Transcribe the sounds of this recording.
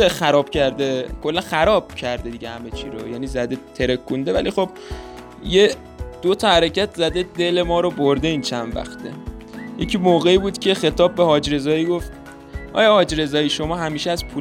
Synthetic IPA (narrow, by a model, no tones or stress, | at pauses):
exæɾɒːb̥cʰæɾd̪ekʰo̞lːænxæɾɒːb̥̚cʰæɾd̪ed̪iɟehæmet͡ʃʰḭɾojæːniːzæd̪et̪ʰeɾekʰːund̪e̞væ̰lixo̞b̥̚ | je | d̪̥ot̪ʰɒhæɾecʰæt̪zæd̪e̞d̪e̞le̞mɒːɾoboɾd̪e̞int͡ʃʰænvæ̰xt̪ʰḛjʔecʰimoːɣe̞iːbuːd̪̥cʲʰe̞xe̞t̪ʰɒːbːehɒːd͡ʒɾe̞zɒːjiːɡo̞ft̪ | ʔɒ̰ːjɒhɒːd͡ʒɾe̞zɒːjiːʃo̞mɒːɦæmiːʃeæzpʰu